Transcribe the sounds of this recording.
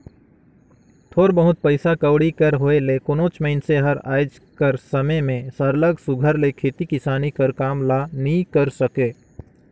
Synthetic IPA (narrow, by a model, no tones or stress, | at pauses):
t̪ʰoːɾbəɦʊt̪̚pəɪsakəwɽikəɾɦoːelekʊnõːt͡ʃməɪnseɦəɾa̰ːd͡ʒ | kəɾsəməjmẽsəɾləɡsʊɡʱəɾlekʰeːt̪ikɪsaːnikəɾkaːmlanəĩkəɾsəkeː